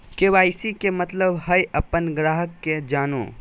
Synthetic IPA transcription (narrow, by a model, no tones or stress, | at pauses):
keʋaːɪsikemɐt̪ləbɦɐjʔɐpːənɡɾaːɦəkːed͡ʒaːnõ̰ː